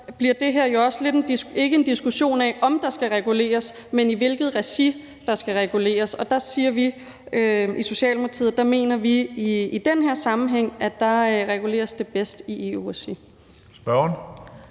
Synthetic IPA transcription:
b̥liɐd̥e̝ɦæɐ̰jo̝ɒ̽sle̝d̥e̝nd̥ie̝ɡ̥əe̝nd̥isɡ̥uɕo̝̰ːnɛʔɒ̽md̥ɑ̈sɡ̥æʁɛɡ̥ule̝̰ːɐsmeniʋe̝lɡ̥ð̩ˠʁɛsi | d̥ɑ̈sɡ̥æʁɛɡ̥ule̝̰ːɐsɒ̽d̥ɑ̈siːɐʋi | øiso̝ɕɛ̰ːlmoɑt͡sʰiːð̰ˠd̥ɑ̈me̝̰ːnɐʋiːd̥enɦeɐ̰sɑ̈mn̩ɦeŋ̰æ̥d̥ɑ̈ʁɛɡ̥ule̝̰ːɐsd̥e̝b̥esd̥iʔeusi | sb̥ɶɐn

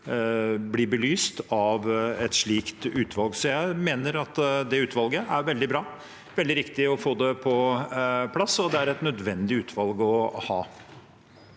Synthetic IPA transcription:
blɪbəlyːst̪ɑʋɛt̪ʂɭiːkt̪ʉːt̪ʋɑlɡsɔjæɪmeːnəɾɑt̪d̪ɛʉːt̪ʋɑlɡəʔæɾʋɛld̪ɪbɾɑː | ʋɛld̪ɪɾɪkt̪ɪɔfoːd̪ɛpʰɔ | pʰlɑsːɔd̪ɛæɾɛt̪nœd̪ʋɛnd̪ɪʉːt̪ʰʋɑlɡɔhɑː

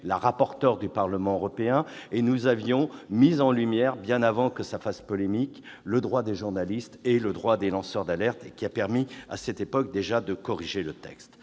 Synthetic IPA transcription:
laʁapɔʁt̪œʁd̪ypaʁləmɑ̃øʁɔpeɛ̃enuzavjɔ̃mizɑ̃lymjɛʁbjɛ̃navɑ̃kəsafaspɔlemik | ləd̪ʁwad̪eʒuʁnalist̪eləd̪ʁwad̪elɑ̃sœʁd̪alɛʁt̪ekʲiapɛʁmia̰sɛt̪epɔk̚d̪eʒad̪əkɔʁiʒelət̪ɛ̰kst̪

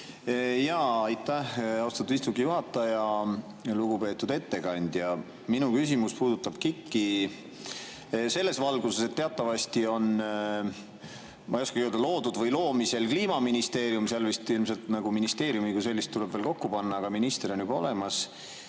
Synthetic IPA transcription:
jɑɑjt̪ːæhɑwst̪ɑt̪ːˑud̥̪ist̪ukːˑijuɦɑt̪ːˑɑjɑ | luɡ̥upe̞ːt̪ːˑud̪e̞t̪ːe̞kɑnʲd̪̥jɑ | minukys̬ʲimuspuːd̪̥ut̪ːˑɑb̥̚kikːi | se̞lːe̞svɑlɡ̥use̞se̞t̪ːe̞ɑt̪ːˑɑvɑst̪io̞n | mʔɑijoskɑkøld̪ɑlo̞ːd̪ud̪vɤjlo̞ːmise̞lkliːmɑminist̪e̞ːɾjumseɑlvist̪ilmse̞lt̪nɑɡ̥uminist̪e̞ːɾjumikuse̞lːist̪ːule̞b̥velko̞kːupɑnːɑːɡ̥ɑminist̪ero̞njub̥ɑo̞le̞mɑs

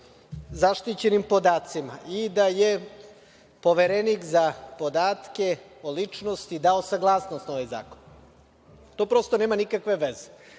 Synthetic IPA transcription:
zaʃt̪it͡ɕe̞nimpo̞d̪aːt̪simaid̪aje | po̞ʋeɾenikzapo̞d̪aːt̪ke̞ | olit͡ʂnost̪id̪aosaɡlˠaːsnost̪no̞ʋajza̰ːkon | t̪oːpɾo̞st̪one̞ːmanikakʋe̞ʋeze

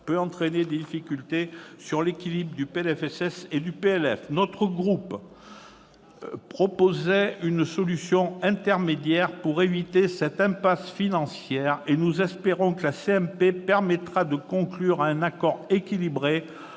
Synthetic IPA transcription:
pøɑ̃t̪χened̪ed̪ifikʲylt̪esyʁlekʲilibʁəd̪ypeɛlɛfɛsɛsed̪ypeɛlɛfnɔt̪χəɡʁup | pχɔpozɛynsɔlysjɔ̃ɛ̃t̪ɛʁmed̪jɛʁpuʁevit̪esɛt̪ɛ̃pasfinɑ̃sjɛʁenuzɛspeʁɔ̃kəlaseɛmpepɛʁmɛt̪χad̪əkɔ̃klyʁɛ̃nakɔʁekʲilibʁe

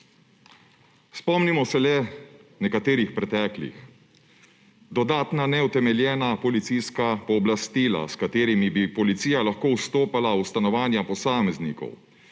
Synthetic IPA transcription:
spɔmnimɔsɛlɛnɛkat̪eːɾixpɾɛt̪ɛːklḭx | d̪ɔd̪aːt̪nanɛut̪ɛmɛljɛːnapɔlit̪sijskapɔːblast̪iːla̰skat̪eːɾimibipɔlit̪siːjalaxkoːwst̪oːpalawst̪anɔʋaːnjapɔsaːmɛznḭkɔ̰w

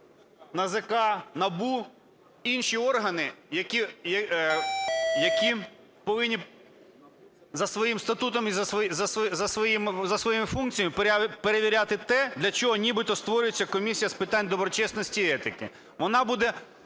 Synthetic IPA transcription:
nɐzekɑnɐbu | inʃiɔrɦɐnɪjɐkʲijɐ | jɐkʲi | pɔʋɪnʲːi | zɐsʋɔjimst̪ɐt̪ut̪ɔmizɐzɐszɐsʋɔjimɪzɐsʋɔjimɪfunkt͡sʲijɐmɪppeɾeʋʲiɾʲat̪ɪt̪ɛd̪lʲɐt͡ʃɔɦɔnʲibɪt̪ɔst̪ʋɔɾʲʊjet͡sʲːɐkɔmʲisʲijɐspɪt̪ɑnʲd̪ɔbɾɔt͡ʃɛsnɔsʲtʲiɛt̪ɪkɪ̰ | ʋɔnɑbud̪ɛ

